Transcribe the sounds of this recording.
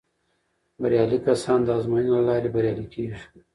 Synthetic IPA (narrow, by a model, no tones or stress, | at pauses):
baɾjɑlikasɑnd̪əɑzmojinolalɑɾebaɾjɑlikʰeʒi̥